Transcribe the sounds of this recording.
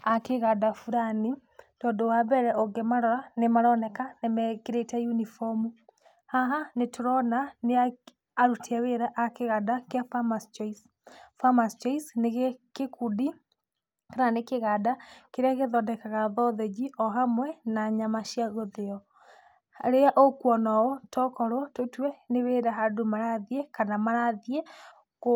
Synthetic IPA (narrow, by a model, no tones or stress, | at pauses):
akeɣadafuɾani | tɔndowabɛɾɛʔoɡemaɾɔɾanemaɾɔnɛkanemɛkeɾetajunifɔmu | haɦanetoɾɔnaneaː | ɾutʰiaweɾaʔakeɣadakeafamast͡ʃais | famast͡ʃaisneɣkekudi | kananekeɣadakeɾeaɣeðɔdɛkaɣaðɔðɛd͡ʒiʔɔɦamwɛnaɲamaʃiaɣoðeɔ | ɾeaʔokwɔnɔɔtʰɔkɔɾwɔtotwɛneweɾaɦadomaɾaðiɛkanamaɾaðiɛ | ko